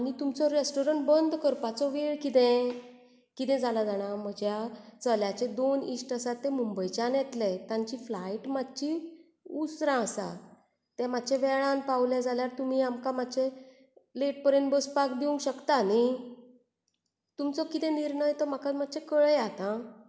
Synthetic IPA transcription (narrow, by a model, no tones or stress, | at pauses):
anit̪umt͡sɔɾesʈɔɾəɳʈbənd̪kəɾpat͡sɔʋeɭkit̪ɛ̃ | kit̪ɛ̃d͡zʱalad͡zaɽ̃am̤əd͡ʑʱjat͡səljat͡ɕẽd̪onisʈəsat̪ːẽmumbəjt͡ɕanjɛt̪lɛt̪ãɲt͡ɕiflaiʈmad̪t͡ɕi | usɾãsa̰ | t̪ɛ̃mad̪t͡ɕʰẽʋɛɭãnpawljad͡zʱaljaɾt̪um̤iamkamad̪t͡ɕʰẽ | leʈ̚pəɾẽnbəspakd̪iũŋɡɕəkt̪ani | t̪umt͡sɔkit̪ɛ̃niɾɳəjt̪ɔm̤akamad̪t͡ɕʰẽkəɭjat̪ã